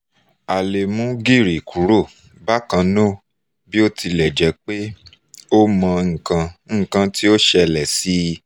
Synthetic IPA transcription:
a˨le˨mũ˦ɡi˦˨ɾi˨kʰu˨˦ɾo˦˨ | ba˦kã˧˦nõ˦˨ | bi˦o˦ti˧lɛ˨d͡ʒɛ˨˦k͡pe˦ | o˦mã˧ŋ̩˨kã˧˦˨kã˧ti˦o˦ʃɛ˧lɛ˨si˨˦˧

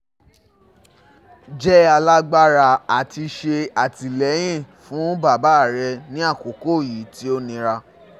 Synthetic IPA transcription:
d͡ʒɛ˦a˧la˦ɡ͡ba˦ɾa˧˨a˨ti˧ʃe˧a˨ti˨lɛ˨˦j̃ĩ˦˨ | fũ˨˦ba˦˨ba˦˨ɾɛ˧nĩ˦a˦˨ko˨ko˦˨ji˨˦ti˦o˦nĩ˧ɾa˧

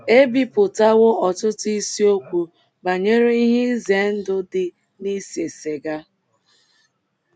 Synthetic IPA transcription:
e˦bi˦pʊ˨ta˦ɣʊ˦ɔ˨tʊ˦tʊ˦i˦si˦o˦kʷu˨ | ba˨ɲe˦ɾe˦i˦ɦɪ˦ze˨n̩˦dʊ˦dɪ˨ | ni˦se˨se˨ɡa˦

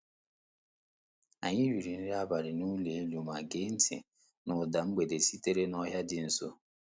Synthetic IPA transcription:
a̰˨ɲɪ˦wi˨ɾi˨n̩˦ɾa˦ba˨ɾɪ˨nu˦le˨e˦lu˨ma˨ɡe˦n̩˦tɪ̰˨ | nʊ˨da˨ŋ͡m̩˦ɡ͡be˨de˨si˦te˦ɾe˦nɔ˦ɦja˦dɪ˨n̩˨so̰˦

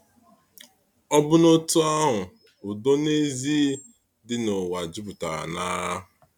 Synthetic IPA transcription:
ɔ˦bʊ˦no˦tu˦a˦ɦʊ˨ | ʊ˨do˦ne˦zi˦ | dɪ˦no˨wa˨d͡ʒi˦pʊ˨ta̰˨na˦a˦ɦʊ˨

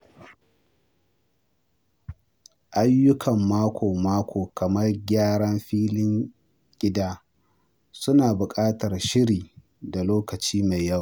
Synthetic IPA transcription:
ʔa˦jːʊ˦kʰɐ˨mːaː˦kʷʰoː˨maː˦kʷoː˨kɐ˨mɐ˦rɡʲaː˦ɽɐ˦mɸiː˦lɪ˦ŋ | ɡ̥ʲɪ˦daː˦ | sʊ˦naː˨bʊ˨kʼaː˦tɐ˨rʃɪ˦ɽiː˨ | da˨loː˦kɐ˨t͡ʃiː˦ma˨jːɐ˦˨w

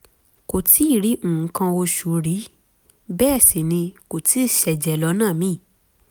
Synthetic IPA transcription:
ko˨tʰi˨˦i˦˨ɾi˨˦ũː˨˦kã˧o˧ʃu˨ɾi˨˦ | bɛː˦˨si˨nĩ˧ko˨ti˨˦i˦˨ʃɛ˨d͡ʒɛ˨lɔ˨˧˦nãː˦˨mĩ˦˨

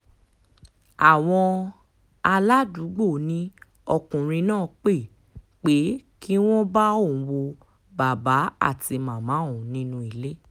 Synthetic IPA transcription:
a˨w̃ɔ̃˧ | a˧la˦du˨˦ɡ͡bo˦˨nĩ˨˦ | ɔ˧kũ˨ɾ̃ĩ˧nãː˦˨k͡pe˦˨ | k͡pe˨˦ki˦w̃ɔ̃˦ba˦õ˦˨wo˧ | ba˨ba˨˦a̰˦˨ti˧mãː˨mã˨˦˨ũ˨nĩ˦nũ˧˦i˨le˦

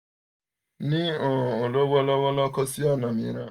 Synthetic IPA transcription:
nĩ˦o˨o˨lo˦bɔ˦lɔ˦wɔ˦lɔ˦kɔ˦si˦ɔ˦˨nã˨mḭ̃˨ɾa˦

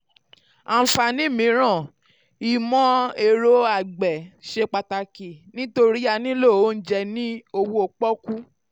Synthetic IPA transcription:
a˧˨fa˧nĩ˦mĩ˨˦ɾ̃ã˦˨ | i˨mɔ̃˦e˧ɾo˧a˨ɡ͡bɛ˨ʃe˧k͡pa˧ta˧ki˨nĩ˦to˧ɾi˦a˧nĩ˦lo˦˨o˨˦n̩˦d͡ʒɛ˧nĩ˦o˧wu˦o˧k͡pɔ˦ku˦

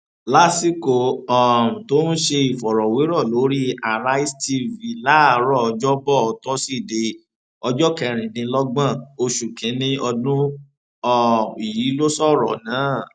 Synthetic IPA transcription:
la˦si˦ko˨ɔ˨ũ˨to˦n̩˦ʃe˧i˨fɔ˨ɾɔ˨we˨˦ɾɔ˦˨lo˨˦ɾi˦a˨ɾa˦i˦sti˧vi˨la˨˦a˨ɾɔ˦˨ɔ˧d͡ʒɔ˦bɔ˦˨ɔ˨˧tɔ˦si˦˨de˧ | ɔ˧d͡ʒɔ˦kɛ˧ɾ̃ĩ˨dĩ˧lɔ˦ɡ͡bã˦˨o˧ʃu˨kɛ̃˨˦nĩ˦ɔ˧dũ˦ | ɔ˦i˨ji˨˦lo˦sɔ˦˨ɾɔ̰˨nãː˨˦

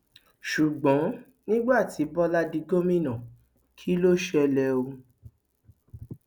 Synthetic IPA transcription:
ʃu˨ɡ͡bɔ̃˨˦ | nĩ˦ɡ͡ba˦˨ti˨˦bɔ˦la˦di˧ɡo˦mĩ˦˨nã˨ | kʰi˦lo˦ʃɛ˧lɛ˧o˧

